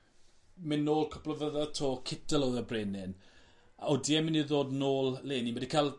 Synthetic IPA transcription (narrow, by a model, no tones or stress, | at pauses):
mɪnːoːlˠkʰɔ̥pləvəðatʰoːkʰɪtəlˠɔðəbreːnɪn | aodiɛmɪniðoːdnoːlˠleːnimədikʰalˠ